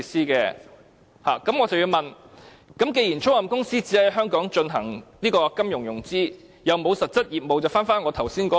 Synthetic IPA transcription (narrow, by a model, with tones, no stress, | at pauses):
siː˥kɛ̰ː˧ | ha̰ː˨˩kɐ˨˥mŋɔː˨˧t͡sɐ˨wji˧wmɐ˨n | kɐ˨˥mke˧jiː˨˩nt͡ʃʰʊ˥lɐ˨mkʊ˥ŋsiː˥t͡siː˨˥hɐ˨˥jɦœː˥ŋkɔː˨˥ŋt͡ʃɵ˧nɦɐ˨˩ŋniː˥kɔː˧kɐ˥mjʊ˨˩ŋjʊ˨˩ŋt͡siː˥ | jɐ˨˧wmo˨˧wsɐ˨t̚t͡sɐ˥t̚jiː˨p̚mo˨wt͡sɐ˨˩wfaː˥nfaː˥nŋɔː˨˧t̪ʰɐ˨˩wsiː˥nkɔː˨˥